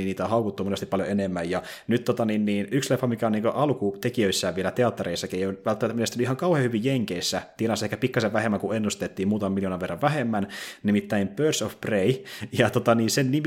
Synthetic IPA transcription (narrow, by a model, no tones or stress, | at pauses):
iniːt̪æohɑukut̪ːumonest̪ipɑljoenemːæjjɑ | nyt̪t̪ːot̪ɑninniːnykslefːɑmikæoniːŋkøʔɑlkut̪ekiøisːæːʋʋielæt̪eɑt̪ːɑɾeisːɑkiejoʋælt̪ːmt̪ːminest̪nyihɑŋkɑwheːhyʋijjeŋkeisːæt̪ienɑsːɑehkæpikːɑseʋæhemːæŋkuenːust̪et̪ːiːmuːt̪ɑmɑmiljoːnɑʋerːɑʋʋæɦemːænnimit̪ːæimpørsofpreijɑt̪ot̪ɑniːnsennim